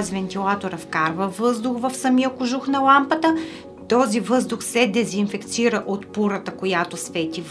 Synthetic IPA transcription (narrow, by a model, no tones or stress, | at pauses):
zvɛnt̪ilˠat̪oɾəfkaɾvəvɤzd̪ʊxvɐfsɐmiəkʊʒuxnɐlˠampət̪ə | t̪ɔzivɤzd̪ʊxsɛd̪ɛzinfɛkt̪siɾəʔot̪puɾət̪əkojat̪osvɛt̪ʲi